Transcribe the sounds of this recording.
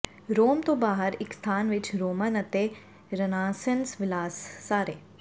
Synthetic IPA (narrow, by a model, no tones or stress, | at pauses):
ɾoːmt̪obaːɦəɾɪkst̪ʰaːnʋɪt͡ʃɾoːmənɐt̪e | ɾɐnaːsənsʋɪlaːsːaːɾeː